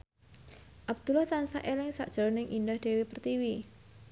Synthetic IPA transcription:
ʔab̚d̪̥ulaht̪ansaʔelɪŋsa̰ʔd̥ʒ̥ə̤ɾnɪŋʔindahd̥e̤wepərt̪iwi

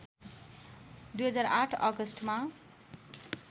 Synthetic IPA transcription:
d̪ujɦʌd͡zaɾaʈʰʌ̰ɡʌsʈma

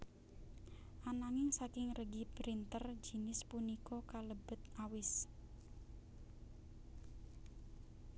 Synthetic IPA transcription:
ʔanaŋɪŋsakɪŋrəɡipɾint̪ərd͡ʒi̤nɪspunikɔkaləbə̤t̪awɪs

